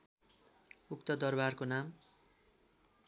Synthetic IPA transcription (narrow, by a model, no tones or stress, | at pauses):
uk̚t̪ʌd̪ʌrbarkonam